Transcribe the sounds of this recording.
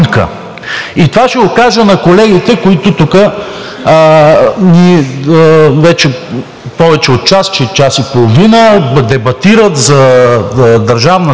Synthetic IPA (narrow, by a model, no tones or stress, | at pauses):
nkə̰ | it̪ovaʃɛokaʒənɐkolɛɡit̪ɛkoit̪ot̪ukə | ni | vɛt͡ʃɛ | pɔvɛt͡ʃɛot̪̚t͡ʃast͡ʃɛt͡ʃasipolˠovinəd̪ɛbɐt̪iɾət̪zɐ | d̪ɐɾʒavnə